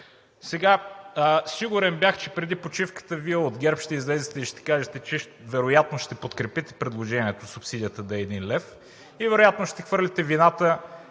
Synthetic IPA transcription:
sɛɡa | siɡʊɾɛnbʲjaxt͡ʃɛpɾɛd̪ipot͡ʃifkə̥t̪əviɛod̪ɡʲɛɾpʃt̪ɛizlɛzɛt̪ɛiʃt̪ɛ̥kaʒɛt̪ɛt͡ʃɛʃ | vɛɾojat̪noʃt̪ɛpot̪kɾɛpit̪ɛ̥pɾɛd̪lˠoʒɛnʲiɛt̪osʊpsid̪ʲiət̪əd̪ɐɛɛːd̪inlɛf | ivɛɾojat̪noʃt̪ɛxvɤɾlʲit̪ɛvinat̪ə

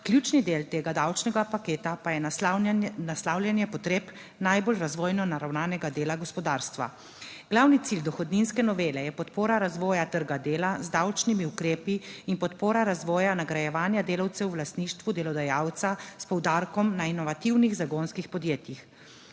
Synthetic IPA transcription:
klʲjuːt͡ʃnid̪eːlt̪eːɡad̪awt͡ʃnɛɡapakeːt̪apajɛ | naslaːwljɛnjɛpɔt̪ɾeːp | najbolɾazʋɔːjnɔnaɾawnaːnɛɡad̪eːlaɡɔspɔd̪aːɾst̪ʋa̰ | ɡ̥lawnit̪sild̪ɔxɔd̪ninskɛnɔʋeːlɛjɛpɔt̪poːɾaɾazʋɔːjat̪əɾɡad̪eːlazd̪awt͡ʃnimiukɾeːpiːnpɔt̪poːɾaɾazʋɔːjanaɡɾajɛʋaːnjad̪eːlawt̪sɛwːlast̪niːʃt̪ʋud̪ɛlɔd̪ajaːwt̪saspɔwd̪aɾkɔmnainɔʋat̪iwniɣzaɡonskixpɔd̪jeːt̪jix

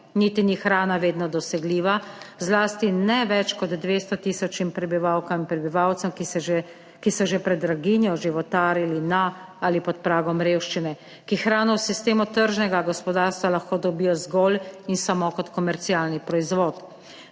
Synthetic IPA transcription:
nit̪inixɾaːnaʋeːd̪nɔd̪ɔsɛɡliːʋazlaːst̪inɛʋɛt͡ʃkɔd̪ːʋeːst̪ɔt̪isɔt͡ʃnimpɾɛbiʋawkaminpɾɛbiʋawt̪sɛm | kisɔʒepɾɛd̪ɾaɡiːnjɔʒiʋɔt̪aːɾilinaaːlipɔt̪̚pɾaːɡɔmɾeːwʃt͡ʃinɛ | kixɾaːnɔwsist̪eːmɔt̪əɾʒnɛɡaɡɔspɔd̪aːɾst̪ʋalaxkoːd̪ɔbiːjɔzɡɔlinsamokɔt̪kɔmɛɾt̪sialnipɾɔizʋɔːt̪

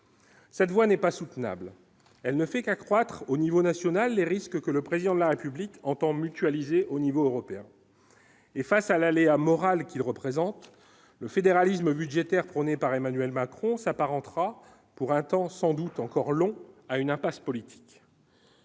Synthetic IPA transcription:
sɛt̪vwanɛpasut̪na̰bl | ɛlnəfɛkakχwat̪χonivonasjɔnalːeʁiskkələpχezid̪ɑ̃d̪əlaʁepyblikɑ̃t̪ɑ̃myt̪ɥalizeʔonivoøʁɔpeɛ̃ | efasalaleamɔʁalkʲilʁəpχezɑ̃t̪ | ləfed̪eʁalisməbyd̪ʒet̪ɛʁpχɔnepaʁemanyɥɛlmakχɔ̃sapaʁɑ̃t̪χa | puʁɛ̃t̪ɑ̃sɑ̃d̪ut̪ɑ̃kɔʁlɔ̃aynɛ̃paspɔlit̪ʰi̥k

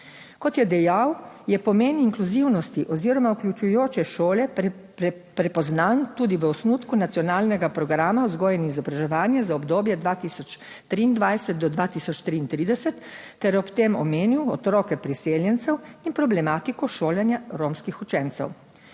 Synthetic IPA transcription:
kɔt̪jɛd̪ɛjawjɛpɔmeːniŋkluziwnɔst̪iʔɔziɾɔmauklʲut͡ʃujoːt͡ʃɛʃoːlɛ | pɾɛpɔznant̪uːd̪iʋəɔsnut̪kunat̪sjɔnaːlnɛɡapɾɔɡɾaːmaɔzɡɔːjɛniizɔbɾaʒɛʋaːnjɛzaɔbd̪oːbjɛd̪ʋat̪iːsɔt͡ʃ | t̪ɾiːnd̪ʋajsɛt̪̚d̪ɔd̪ʋaːt̪isɔt͡ʃt̪ɾiːnt̪ɾiːd̪ɛsɛt̪ː | ɛɾɔpt̪emɔmeːniwɔ̰t̪ɾɔːkɛpɾiseːljɛnt̪sɛwinpɾɔblɛmaːt̪ikɔʃoːljɛnjaɾomskixut͡ʃɛnt̪sɛ̰w

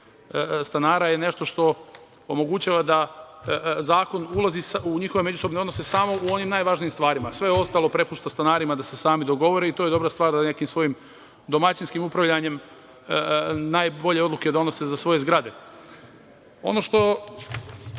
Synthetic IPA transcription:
əst̪anaːɾajene̞ʃt̪o̞ʃt̪o̞ | omo̞ɡut͡ɕaːʋad̪a | zaːko̞nulˠazisuɲixoʋe̞me̞d͡ʒuso̞bne̞od̪nose̞samo̞uo̞nimnajʋaʒnijimst̪ʋaːɾimasʋe̞jeo̞st̪alˠo̞pɾe̞puʃt̪ast̪anaːɾimad̪ase̞saːmid̪oɡo̞ʋo̞ɾeit̪oje̞d̪o̞bɾast̪ʋaːɾzane̞kimsʋo̞jim | d̪o̞mat͡ɕinskimupɾaʋʎaɲe̞m | najbo̞ʎe̞o̞d̪lˠuke̞d̪o̞no̞se̞zasʋo̞je̞zɡɾad̪e̞ | o̞̰no̞ʃt̪o̞

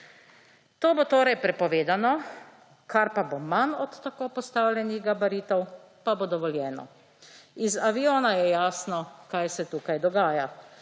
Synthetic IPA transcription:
t̪oːbot̪oːɾɛjpɾɛpɔʋeːd̪anɔ | kaɾpabomanɔt̪ːakoːpɔst̪aːwlʲjɛniɣɡabaɾiːt̪ɔw | pabod̪ɔʋɔljɛːnɔ̰ | izaʋioːnajɛjaːsnɔkajsɛt̪uːkajd̪ɔɡaːja

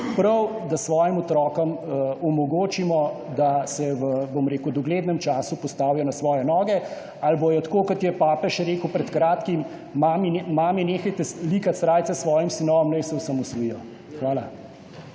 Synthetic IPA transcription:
pɾɐwd̪asʋɔːjimɔt̪ɾɔːkɐmɔmɔɡoːt͡ʃimɔ | d̪asɛʋəbomɾeːkud̪ɔɡleːd̪nɛmt͡ʃaːsupɔst̪aːwjɔnasʋɔːjɛnɔːɡɛ | albojɔt̪koːkɔt̪jɛpaːpɛʃɛɾeːkupɾɛt̪kɾaːt̪kim | mamimaːmineːxajt̪ɛlikat̪sɾaːjt̪sɛsʋɔːjimsinɔʋɔmnɛjsɛwsamɔsɾijɔ | xʋaːla

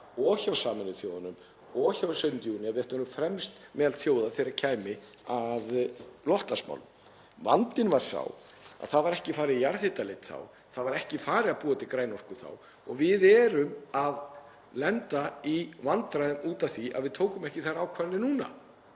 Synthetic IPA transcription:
ɔːçawsaːmɪnɪθjoːwðanʏm | ɔːçawsœnt̪junɪaðvɪɛht̪ːɾʏfɾɛmst̪mɛːðalθjoːwðaθɪɾɪɾacʰaːjmɪ | aðlɔht̪asma̰wlm | va̰nt̪ɪnvaɾ̥sa̰w | a̰ðθaðvaɾɛhcɪfaːɾɪðjaɾθɪt̪alejt̪θa̰w | θaðvaɾɛhcɪfaːɾɪapuːat̪ʰɪkɾaːjnɔr̥kʏɾ̥θa̰w | ɔɣvɪðɛːɾʏmað | lɛnt̪aivant̪ɾaʏmuːt̪avθiʔa̰ðvɪðt̪ʰoːwkʏmɛhcɪθaɾaːwkʰvaɾnɪnuːna̰

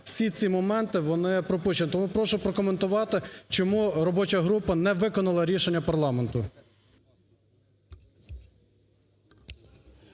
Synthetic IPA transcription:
w̥sʲit͡sʲimɔmɛnt̪ɪʋɔnɪpɾɔpuʃt͡ʃenɪt̪ɔmupɾɔʃʊpɾɔkɔment̪ʊʋɑt̪ɪt͡ʃɔmuɾɔbɔt͡ʃɐɦɾupɐnɛʋɪkɔnɐlˠɐɾʲiʃenʲːɐpɐrlˠɑme̞nt̪ʊ

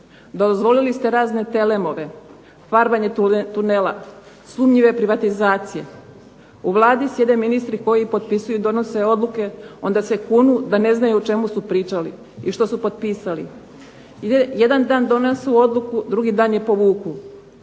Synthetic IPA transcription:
d̪ozʋo̞lilist̪e̞ɾaːzne̞t̪e̞le̞moʋe̞ | faɾbaɲet̪unela̰ | sˠumɲiʋe̞pɾiʋat̪izaːt̪sije̞̰ | uʋlˠaːd̪isjed̪e̞minist̪ɾiko̞jipo̞d̪̚pisujuid̪o̞no̞se̞o̞d̪lˠuke̞o̞nd̪ase̞kunud̪ane̞znajuut͡ʃe̞musupɾiːt͡ʃalḭ | iʃt̪o̞supo̞d̪̚piːsali | jed̪and̪aːnd̪o̞nesuo̞d̪lukud̪ɾuɡid̪aːnje̞po̞ʋuːku

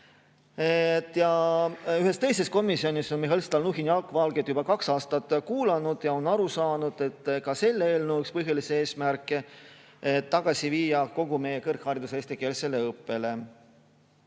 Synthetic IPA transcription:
et̪ːˑjɑyɦe̞st̪e̞jse̞sko̞misio̞niso̞nmiɦɑlst̪ɑlnuɦiniɑlkːˑvɑlɡed̪̥jubɑkɑksɑːst̪ɑt̪ːˑkuːlɑnud̪̥jɑo̞nɑɾusɑːnud̪̥e̞t̪ːkɑse̞lːee̞ːlnəwykspɤɦjɑlisee̞ːsmærkːˑe | et̪ːɑɡ̥ɑsiviːjɑko̞ɡ̥ume̞jekɤrkhɑɾid̪̥useːst̪ike̞lse̞le̞ɤpːe̞le̞

